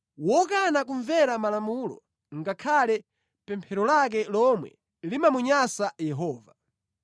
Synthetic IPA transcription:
wɔkanakuɱvɛɾamalamulɔ̰ | ŋɡakʰalɛ | pɛmpʰɛɾɔlak̬ɛlɔmwɛ̰ | limamuɲasajɛɦɔːva

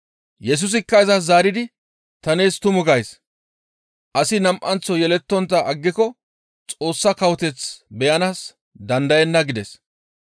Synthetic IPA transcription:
jɛs̬ʊs̬ɪkːɐjzɐzaːɾɪd̪ɪ | t̪ɐneːst̪ʊmʊɡɐjs | ʔɐsɪnɐmʔɐnt͡sːɔjɛlɛt̪ːɔnt̪̬ːɐʔɐɡːɪkɔ | t͡sʼo̞ːsːɐkɐwɔt̪ɛt͡sbɛjɐnaːs | d̪ɐnd̪ɐjɛnːɐɡɪd̪ɛs

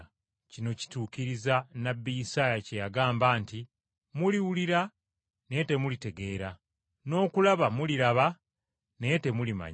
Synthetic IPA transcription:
cino̞ci̥tuːkiɾizanabːijisaːjacejaɡaːmbaːnti | muliwuliɾa | ne̞te̞mulite̞ɡe̞ːɾa | no̞ːkulaβamuliɾaβa | ne̞te̞mulima̰ɲ

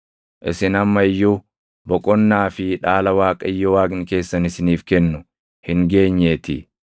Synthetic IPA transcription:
ʔɪ̰sɪnɐmːɐɪjːu | bɔkʼɔnːaːfɪᶑaːlɐwaːkʼɐɪjːɔwaːknɪke̞ːsːɐnɪsɪniːfkɛnːʊ | hɪŋɡe̞ːɲːeːt̪ɪ̰

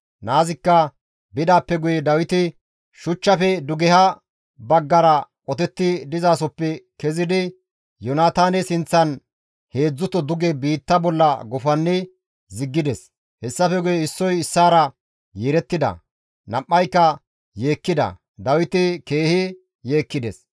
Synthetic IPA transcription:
naːzɪkːɐ | bɪd̪aːpːɛɡʊjɛd̪ɐwɪt̪ɪ | ʃʊt͡ʃːɐfɛd̪ʊɡɛhɐ | bɐɡːɐɾɐkʼɔt̪ɛt̪ːɪd̪ɪzaːsɔpːɛkɛzɪd̪ɪ | jɔnaːt̪aːnɛsɪnt͡sːɐn | he̞ːd͡zːʊt̪ːɔd̪ʊɡɛbiːt̪ːɐbɔlːɐɡɔfɐnːɪ | zɪɡːɪd̪ɛs | hɛsːɐfɛɡʊjɛɪsːɔjɪsːaːɾɐ | jeɾɛt̪ːɪd̪ɐ̰ | nɐpːɐjkːɐ | je̞ːkːɪd̪ɐ̰ | d̪ɐwɪt̪ɪke̞ːhɪ | je̞ːkːɪd̪ɛs

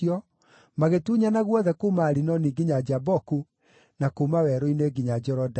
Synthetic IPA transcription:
ɔ | maɣetuɲanaɣwɔðɛkumaɾinɔniɡiɲad͡ʒabɔku | nakomawɛɾoineɡiɲad͡ʒɛɾɔda

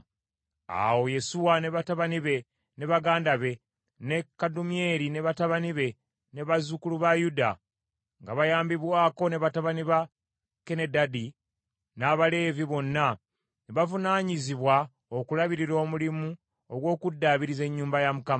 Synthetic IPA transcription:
a̰wo̞je̞suwane̞βataβaniβe̞ | ne̞βaɡaːndaβe̞ | ne̞kːadumie̞ɾine̞βataβaniβe̞ | ne̞βazukuluβajuda | ŋɡaβajaːmbiβwaːko̞ne̞βataβaniβa | ke̞ne̞dadi | naβale̞ːviβo̞nːa | neβavunaːɲiziβwa | o̞kulaβiɾiɾo̞ːmulimu | oɡwo̞ːkudːaβiɾize̞ɲːuːmbajamukama

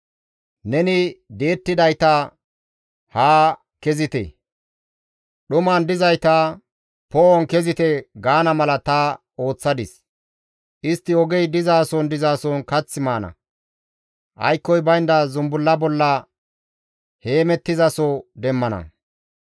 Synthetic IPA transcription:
nɛnɪd̪e̞ːt̪ːɪd̪ɐjt̪ɐ | haː | kɛzɪt̪ɛ̰ | ɗʊmaːnd̪ɪzɐjt̪ɐ | pɔʔɔnkɛzɪt̪ɛɡaːnɐmɐlɐt̪ɐ | o̞ːt͡sːɐd̪ɪs | ʔɪst̪ːɪɔɡɛjd̪ɪzaːsɔnd̪ɪzaːsɔnkɐt͡sːɪmaːnɐ̰ | ʔɐ̰jkːɔjbɐjnd̪ɐzʊmbʊlːɐbɔlːɐ | he̞ːmɛt̪ːɪzɐsɔd̪ɛmːɐnɐ̰

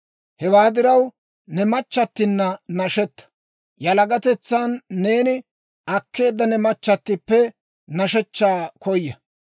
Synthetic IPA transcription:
hɛwaːd̪ɪɾɐw | nɛmɐt͡ʃːɐt̪ːɪnːɐnɐʃɛt̪ːɐ̥ | jɐlɐɡɐt̪ɛt͡sːaːnːe̞ːnɪ | ʔɐkːe̞ːd̪ːɐnɛmɐt͡ʃːɐt̪ːɪpːɛ | nɐʃɛt͡ʃːaːkɔjːɐ

